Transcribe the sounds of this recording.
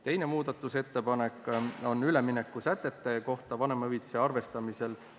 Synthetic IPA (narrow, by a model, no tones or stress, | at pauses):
t̪e̞jne̞muːd̪̥ɑt̪ːˑuse̞t̪ːe̞pɑne̞kːˑo̞nyle̞mine̞kːˑusæt̪ːˑe̞t̪ːe̞ko̞ht̪ɑvɑne̞mɤit̪se̞ɑrve̞st̪ɑmise̞l